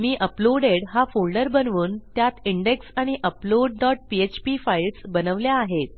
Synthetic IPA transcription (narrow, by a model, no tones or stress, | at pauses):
miːʔəploɽeɽɦafolɖəɾbənʋuːnt̪jat̪iɳɖeksaɽ̃iʔəploɖːɔʈ̚piet͡ɕpifailsbənəʋljaːɦet̪̚